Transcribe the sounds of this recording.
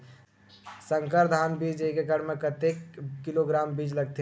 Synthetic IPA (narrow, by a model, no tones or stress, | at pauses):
sə̃ŋkəɾd̪ʱanbid͡ʒəɦikekəɽmekət̪ekːiloɡɾambid͡ʒləɡ̚t̪i